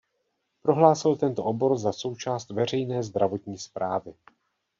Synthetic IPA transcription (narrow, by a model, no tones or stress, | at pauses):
pɾo̞ɦlaːsɪlt̪ɛnt̪oʔobo̞ɾzaso̞wt͡ʃaːst̪vɛr̝ɛjnɛːzd̪ɾavo̞t̪ɲiːspɾaːvɪ